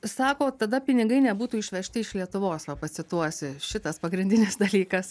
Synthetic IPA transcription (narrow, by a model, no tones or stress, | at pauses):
sɑːkoːt̪ɐd̪ɐpʲɪnʲɪɡɐɪnʲɛbuːt̪uːɪʃʲʋʲɛʃʲt̪ʲɪɪʃlʲiɛt̪ʊʋoːsʋɐpɐsʲɪt̪uɔsʲɪʃʲɪt̪ɐspɐɡɾʲɪnʲdʲɪnʲɪsd̪ɐlʲiːkɐs